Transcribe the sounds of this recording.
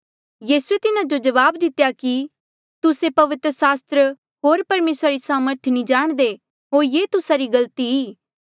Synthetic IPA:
jiːsuet̪ɪnad͡ʒod͡ʒɐʋaːbd̪ɪt̪ejaki | t̪ʊsepɐʋɪt̪ɾəsaːst̪ɾə | ɦoːɾpɐɾmeːsɾaɾisaːməɾt̪ʰnĩd͡ʒaːɽ̃d̪e | ɦoːɾjeːt̪ʊsaɾiɡɐlt̪iɦiː

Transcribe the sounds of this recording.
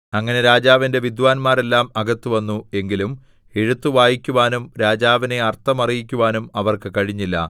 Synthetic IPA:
ɐŋːɐne̞ɾaːd͡ʑaːʋinde̞ʋid̪ʋaːnmaːɾe̞lːaːmɐɡɐt̪ːuʋɐnːue̞ŋɡilum | e̞ɻut̪ːuʋaːjikʲːuʋaːnumɾaːd͡ʑaːʋine̞ɐrt̪ːɐmɐrijikʲːuʋaːnumɐʋɐrkɨkɐɻiɲːilːɐ̰

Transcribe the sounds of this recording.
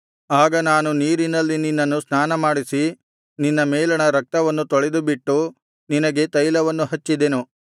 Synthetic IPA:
aːɡɐnaːnuniːɾinɐlːininːɐnːusnaːnɐmaːɽisi | ninːɐmeːlɐɳɐɾɐk̚t̪ɐʋɐnːut̪oɭed̪ubiʈːu | ninɐɡe̞t̪ɐjlɐʋɐnːuɦɐt͡ʃːid̪enu

